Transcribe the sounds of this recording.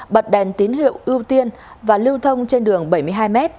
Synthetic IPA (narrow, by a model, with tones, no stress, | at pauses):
ɓə˨˩t̚ɗɛ˨˩nt̪i˨˦ənɦḭ˧˨əwʔɨ˧wt̪i˧ən | vaː˨˩li˧wt̪ʰə˧wŋ͡mt͡ɕe˧nɗɨ˨˩əŋɓə˧˩jmɨ˧əjɦaː˧jmɛ˦˥t̚